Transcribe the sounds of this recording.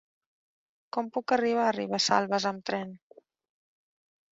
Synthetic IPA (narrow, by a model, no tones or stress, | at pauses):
kɔmpukəriβ̞aːrḭβ̞asa̰lˠβəzəmt̪ɾɛn